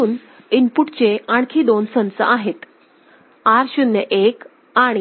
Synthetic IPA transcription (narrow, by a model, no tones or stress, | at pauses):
uːn | inpuʈt͡ɕeaɽ̃kʰiːd̪onsənt͡sə̰ʔaɦet̪ | aɾɕunjəʔek | aɽ̃i